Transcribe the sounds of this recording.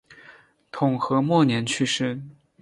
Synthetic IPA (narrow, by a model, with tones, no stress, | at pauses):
t̪ʰʊ˨˩ŋxɤ˧˥mwɔ˥˩njɛ˧˥nt͡ɕʰy˥˧ʂɻ̩˥˩